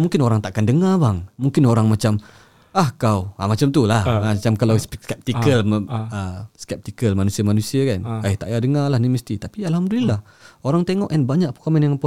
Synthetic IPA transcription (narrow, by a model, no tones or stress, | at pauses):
muŋkɪnoɾaŋt̪aʔkandəŋabaŋmuŋkɪnoɾaŋmat͡ʃam | ʔahkawa̰mat͡ʃamt̪ulahmat͡ʃamkalawskɛp̚t̪ikəlməskɛp̚t̪ikəlmanusiamanusiakankaɪht̪aʔjadəŋalahniməst̪it̪apialɦamdulilah | oɾaŋt̪eŋɔʔɛnbaɲaʔ̚pokomənjaŋpo